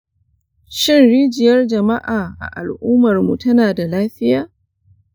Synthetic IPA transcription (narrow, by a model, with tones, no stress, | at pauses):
ʃɪ˦nɽiː˦d͡ʒɪ˨jɐ˦rd͡ʒɐ˨ma˦ʔaː˨ʔa̰˨ʔa̰˨lʔuː˦mɐ˨rmu˨tɐ˦naː˨da˨laː˦ɸɪ˦jaː˨